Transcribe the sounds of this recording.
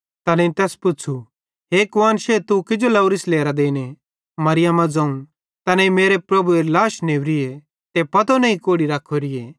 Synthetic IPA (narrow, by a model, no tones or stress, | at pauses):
t̪ɐneĩt̪ɛːspʊt͡ʃʰu | ɦeːkʋaːnʃet̪ukɪd͡ʒolɐʊɾɪsleːɾad̪eːne | mɐɾɪjamãd͡zɐ̃ːũ | t̪ɐnɛ̃imeːɾepɾɐbuelaːʃneːʋɾɪe | t̪epɐt̪onɐ̃ĩkoːɽiɾaːkʰoɾɪeː